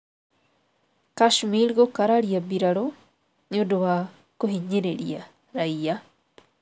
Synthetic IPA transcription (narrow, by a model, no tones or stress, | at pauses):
kaʃmilɣokaɾaɾiabiɾaɾo | ɲodowa | koɦiɲeɾḛɾḭa | ɾaija